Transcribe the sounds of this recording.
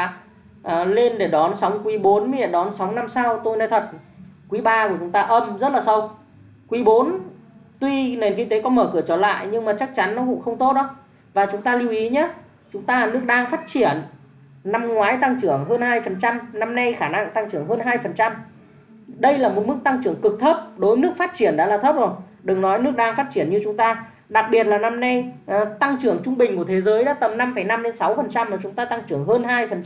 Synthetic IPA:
ʔle˧nɗe˧˩ɗɔ˨˦nsa˨˦wŋ͡mkwi˨˦ɓo˨˦nmi˨˦ɛ̰˧˩ɗɔ˨˦nsa˨˦wŋ͡mna˧msa˧wt̪o˧jna˨˧˦t̪ʰə˨˩t̚kwi˨˦ɓaː˧kt͡ɕʊ˨˦ŋ͡mt̪aː˧ʔə˧mzə˦˥t̚laː˨˩sə˧w | kwi˨˦ɓo˨˦nt̪wi˧ne˨˩nki˧ŋt̪e˨˦kɔ˨˦məː˧˩kɨ˧˩ət͡ɕɔ˧˩la̰ː˧˨jɲɨ˧ŋmaː˨˩t͡ɕk̚t͡ɕa˨˦nːɔ˨˦kʊ̰˧˥ŋ͡mxə˧wŋ͡mt̪o˦˥t̚ɗɔ˨˦w | vaː˨˩t͡ɕʊ˨˦ŋ͡mt̪aː˧li˧əwʔi˨˦ɲə˨˦ | t͡ɕʊ˨˦ŋ͡mt̪aː˧˨˩nɨ˦˥ək̚ɗaː˧ŋfaː˦˥t̚t͡ɕi˧˩ənː | a˧mŋwaː˨˦jt̪a˧ŋt͡ɕɨ˧˩əŋɦəː˧nhaː˧jfə˨˩nt͡ɕa˧mna˧mna˧jxaː˧˩na˧ŋt̪a˧ŋt͡ɕɨ˧˩əŋɦəː˧nɦaː˧jfə˨˩nt͡ɕa˧m | ɗə˧jlaː˨˩mo˨˩t̚mɨ˦˥k̚t̪a˧ŋt͡ɕɨ˧˩əŋkɨ˨˩k̚t̪ʰə˦˥p̚ɗo˨˦jmɨ˦˥ək̚faː˦˥t̚t͡ɕi˧˩ənɗa̰ː˧˥laː˨˩t̪ʰə˦˥p̚zo˨˩j | ɗɨ˨˩ŋnɔ˨˦jnɨ˦˥ək̚ɗaː˧ŋfaː˦˥t̚t͡ɕi˧˩ənɲɨ˧t͡ɕʊ˨˦ŋ͡mt̪aː˧ | ɗa˨˩k̚ɓi˨˩ət̚laː˨˩na˧mna˧jt̪a˧ŋt͡ɕɨ˧˩əŋt͡ɕʊ˧ŋ͡mɓï˨˩ŋ̟ku˧˩ət̪ʰe˨˦zəː˨˦jɗa̰ː˧˥t̪ə˨˩mna˧mfə˧˩jna˧mɗe˨˦nsa˨˦wfə˨˩nt͡ɕa˧mːaː˨˩t͡ɕʊ˨˦ŋ͡mt̪aː˧t̪a˧ŋt͡ɕɨ˧˩əŋɦəː˧nhaː˧jfə˨˩n

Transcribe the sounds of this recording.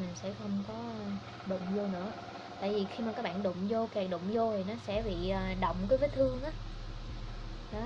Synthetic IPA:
mi˨˩ŋ̟sɛ̰˧˥xə˧wŋ͡mkɔ˨˦˧ | ɗʊ̰˧˨ŋ͡mzo˧nɨ̰˧˥ə | t̪a̰ː˧˨jvi˨˩xi˧maː˨˩kaː˦˥k̚ɓa̰ː˧˨nɗʊ̰˧˨ŋ͡mzo˧kɛː˨˩k̚ɗʊ̰˧˨wŋ͡mzo˧t̪ʰi˨˩nɔ˨˦sɛ̰˧˥ɓḭ˧˨əː˨˩ɗə̰˧˨wŋ͡mkəː˨˦vəː˨˦jt̪ʰɨ˧əŋʔaː˨˦ | ɗɔ˨˦

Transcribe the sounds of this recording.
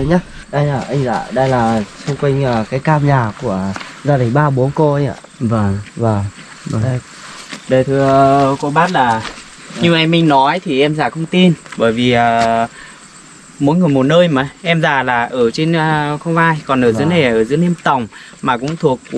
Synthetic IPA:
ɲaː˨˦˥ | ɗə˧jlaː˨˩ʔa˧jŋ̟za̰ː˧˨˩ɗə˧jlaː˨˩sʊ˧ŋ͡mkwa˧jŋ̟əː˨˩kaː˨˦jkaː˧mɲaː˨˩ku˧˩əzaː˧ɗï˨˩ŋɓaː˧ɓo˨˦nko˧ɲa̰˧˨ | vvː | ɗə˧˨˩jt̪ʰɨ˧əko˨˦ɓaː˦˥t̚laː˨˩ | ɲɨ˧maː˨˧mï˧ŋ̟nɔ˨˦jt̪ʰi˨˩ʔɛ˧mzaː˨˩xə˧wŋ͡mt̪i˧nɓəː˧˩jvi˨˩ʔəː˨˩ | mo̰˨˦jŋɨ˨˩jmo˨˩t̚nəː˧jmə˨˦jʔɛ˧mzaː˨˩laː˨˩ʔəː˧˩t͡ɕe˧nə˧xə˧wŋ͡mvaː˧jkɔ˨˩nʔəː˧˩zɨ̰˨˦əna˨˩a˨˩ʔəː˧˩zɨ̰˨˦ne˧mt̪ə˨˩wŋ͡m | maː˨˩kʊ̰˧˥ŋ͡mt̪ʰu˨˩ək̚

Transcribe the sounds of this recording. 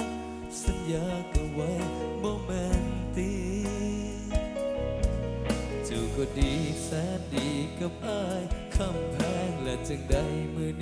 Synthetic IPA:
sa˨˦njaː˧˥ka˧˩wwa˦˥jbɔː˧mɛ˧˥nt̪i˧˥ | t͡ɕa˧˩wkɔː˧˩diː˨˩sɛː˨˧˥n̚diː˨˧˩ka˧˩p̚ʔaː˧˥˩jkʰa˧˩mpʰɛː˧˩ŋlɛː˧˩t͡ɕa˧ŋda˧˩jmɯ˧ən

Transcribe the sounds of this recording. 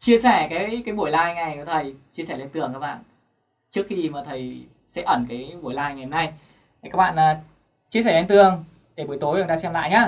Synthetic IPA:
t͡ɕi˧əsɛ˧˩kaː˨˦jkaː˨˦jɓu˧˩əjlaː˧jŋa˨˩jə˨˦t̪ʰə˨˩jt͡ɕi˧əsɛ˧˩le˧nt̪ɨ˨˩əŋkaː˦˥kɓa̰ː˧˨n | t͡ɕɨ˦˥ək̚xi˧maː˨˩t̪ʰə˨˩j | sɛ̰˧˥ʔə˧˩nkaː˨˦jɓu˧˩əjlaː˧jŋa˨˩jhə˨˦na˧j | a˨˩kaː˦˥k̚ɓa̰ː˧˨naː˨˩ | t͡ɕi˧əsɛ˧˩le˧nt̪ɨ˨˩əŋ | ɗe˧˩ɓu˨˩əjt̪o˨˦jə˧˩t̪aː˧sɛ˧mla̰ː˧˨jɲaː˨˦˥

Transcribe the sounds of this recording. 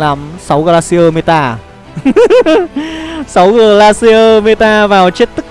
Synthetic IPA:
laː˨˩msa˨˦wɣaː˧laː˧si˧ʔəː˧me˧t̪aː˧ | sa˨˦wɣəː˨˩laː˧si˧ʔəː˧me˧t̪aː˧vaː˨˩wt͡ɕe˦˥t̚t̪ɨ˦˥k̚

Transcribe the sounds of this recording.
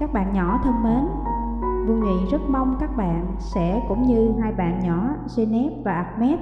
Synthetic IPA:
kaː˦˥k̚ɓa̰ː˧˨nɲɔ˧˩t̪ʰə˧nme˨˦n | vu˧˩ŋḭ˧˨zə˦˥t̚ma˧wŋ͡mkaː˦˥k̚ɓa̰ː˧˨nsɛ̰˧˥kʊ̰˧˥ŋ͡mɲɨ˧ɦaː˧jɓa̰ː˧˨nɲɔ˧˩ze˧nɛ˦˥p̚vaː˨˩ʔa˨˩k̚mɛ˦˥t̚

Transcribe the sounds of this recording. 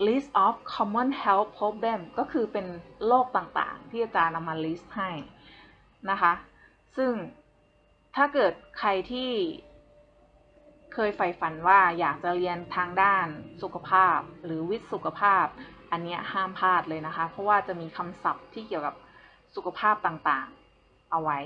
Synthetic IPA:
li˦˥st̪̚ʔɔː˦˥f̚kʰɔː˧˥mːɔ˧˥˨nhɛ˦˥lpʰːɾoː˦˥p̚bɛ˧˩mkɔː˥˩kʰɯː˧pe˧nloː˥˩k̚t̪aː˨˩ŋt̪a̰ː˨˩ŋt̪ʰiː˥˩t͡ɕa˨˩na˧mːaː˧liː˦˥st̪̚ha˥˩j | na˦˥kʰa˦˥ | sɯ˥˩ŋ | t̪ʰaː˥˩kɤː˨˩t̪̚kʰa˧jt̪ʰiː˥˩ | kʰɤː˧jfa˨˩jfa˧˩nwaː˥˩jaː˨˩k̚t͡ɕa˨˩ɾi˧ənt̪ʰaː˧ŋdaː˥˩nsu˨˩kʰa˧pʰaː˥˩p̚lɯː˩˦wi˦˥t̪̚su˨˩kʰa˧pʰaː˥˩p̚ʔa˧nːi˦˥ɐʔhaː˥˩mpʰaː˥˩t̪̚lɤː˧jna˦˥kʰa˦˥pʰɔ˦˥waː˥˩t͡ɕa˨˩miː˧kʰa˧msa˨˩p̚t̪ʰiː˥˩ki˨˩əwka˨˩p̚ | su˨˩kʰa˧pʰaː˥˩p̚t̪aː˨˩ŋt̪aː˨˩ŋ | ʔa˧wa˦˥j

